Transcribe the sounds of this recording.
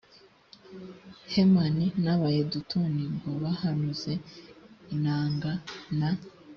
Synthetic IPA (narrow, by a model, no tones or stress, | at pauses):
hemaninaβajedutuniŋɡo̞βahanuze̞inaːŋɡana